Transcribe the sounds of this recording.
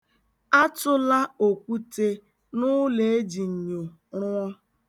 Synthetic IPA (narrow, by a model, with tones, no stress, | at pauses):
a˦tʊ˦la˦o˨kʷu˦te˦ | nʊ˦le˨e˦d͡ʒi˨ɲ̩˨ɲo˨ | ɾʊ˦ɔ˦